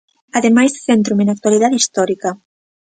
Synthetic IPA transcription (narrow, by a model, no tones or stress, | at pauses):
aðemajsθent̪ɾumẽnak̚t̪waliðaðist̪ɔɾikɐ